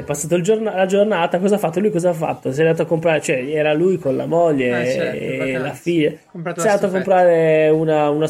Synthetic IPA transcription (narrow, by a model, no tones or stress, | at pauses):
ɛpːasːaːt̪oild͡ʒornalad͡ʒornaːt̪akɔzafːat̪ːolujkɔzaafːa̰t̪ːos̬iɛand̪at̪oakːompɾaːɾet͡ʃoɛɛːɾalujkonla̰moʎːe | lafiʎːa | sɛnd̪aːt̪oakːompɾaːɾeunauna